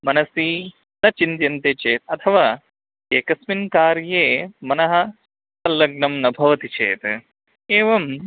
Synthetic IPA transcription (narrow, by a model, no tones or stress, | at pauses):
mɐnɐsiː | nɐt͡ʃint̪jɐnt̪eːt͡ʃeːt̪ɐt̪ʰɐʋaː | eːkɐsminkaːɾjeːmɐnɐɦɐ̆ | ɐlːɐɡnɐmnɐbʱɐʋɐt̪it͡ʃḛːt̪ | eːʋɐm